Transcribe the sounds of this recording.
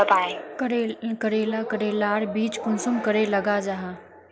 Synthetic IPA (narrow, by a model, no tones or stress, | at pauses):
əpaːekəɾekəɾeːlakəɾeːlaːɾbiːt͡ʃkʊnsʊmkəɾelɐɡad͡ʒaɦaː